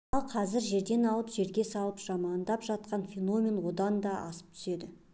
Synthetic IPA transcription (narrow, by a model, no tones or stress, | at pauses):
ɑlˠqʰɑzɪɾʒe̞ɾd̪e̞nɑlˠəpʒe̞ɾɡʲe̞sɑlˠəpʒ̥ɑmɑnd̪ɑpʒɑt̪qɑnfʲeno̞mʲe̞nwo̞d̪ɑnd̪ɑʔɑ̰sə̥p̚t̪ʰʏ̥se̞d̪ɪ